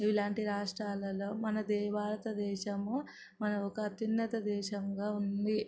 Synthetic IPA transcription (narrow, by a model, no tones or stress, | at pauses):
ilaːɳʈiɾaːʂʈɾaːlɐlo̞ːmɐnɐd̪ɛːʋaːɾɐt̪ɐd̪ɛːʃɐmu | mɐnɐɔkɐːt̪inːɐt̪ɐd̪ɛːʃɐŋɡaːund̪i